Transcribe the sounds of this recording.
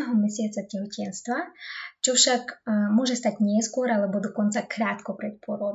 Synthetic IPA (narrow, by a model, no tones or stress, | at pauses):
ɛɦɔmɛsɪat͡sacɛɦɔcɛnst̪ʋat͡ʃɔfʃakmʊɔʒɛst̪aɟɲɪɛskʊɔɾalɛbɔd̪ɔkɔnt̪t͡sakɾaːt̪kɔpɾɛt̪̚pʊɔɾɔ